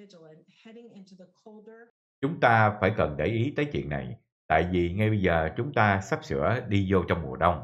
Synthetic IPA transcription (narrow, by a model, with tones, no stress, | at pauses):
hɛɾ̃ŋɪ̃ntəkʰ | t͡ɕʊ˨˦ŋ͡mt̪aː˧faː˧˩jkə˨˩nɗe˧˩jʔi˨˦t̪əː˨˦jt͡ɕwḭ˧˨ənːa̰˨˩j | t̪a̰ː˧˨jvi˨˩ŋa˧jɓə˧jzəː˨˩t͡ɕʊ˨˦ŋ͡mt̪aː˧sa˦˥p̚sɨ̰˧˥əɗi˧zo˧t͡ɕɔ˧wŋ͡mmu˨˩əɗə˧wŋ͡m